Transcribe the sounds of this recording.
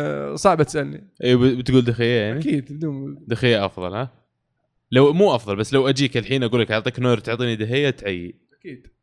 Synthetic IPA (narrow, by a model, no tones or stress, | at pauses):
sˤɑʕbat̪sʔalnḭʔiːbbt̪ɡuːld̪axɪjːajaʕnikiːd̪bd̪uːmd̪axɪjːaʔɑfðˤɑ̰lha | lawmuːʔɑfðˤɑlbasːlawʔad͡ʒiːkɪlħiːnʔaɡuːlːakʔʕaʕt̪ˤiːknoːɾt̪ʊʕt̪ˤiːnid̪ɪɦɪjːat̪ʕajːi | akiːd̪̥